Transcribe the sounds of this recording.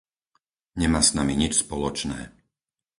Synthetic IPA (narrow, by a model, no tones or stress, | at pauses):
ɲɛmaːsnamiɲit͡ʃspɔlɔt͡ʃnɛ̰ː